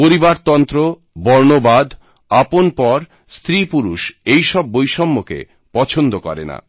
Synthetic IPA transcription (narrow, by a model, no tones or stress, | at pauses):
poɾibaɾt̪ɔnt̪ɾo | bɔɾnobad̪ | aponpɔɾ | st̪ɾipuɾuʃejʃɔbːojʃɔmːokḛ | pɔt͡ɕʰond̪okɔ̰ɾḛna̰